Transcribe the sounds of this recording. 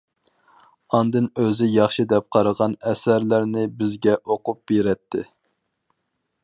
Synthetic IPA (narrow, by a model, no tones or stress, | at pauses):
ɑnd̪ɨnøzɪjɑχʃid̪ɛp̚qʰɑɾəʁɑnɛsæɾlæɾnɪbɪzɡʲɛʔoqʊp̚b̥eɾɛt̪ʰːɪ